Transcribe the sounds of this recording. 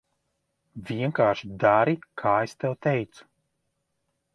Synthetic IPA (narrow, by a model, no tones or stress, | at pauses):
vʲiɛŋkaːʃid̪aɾikʰaːest̪ɛwt̪ejt̪su̥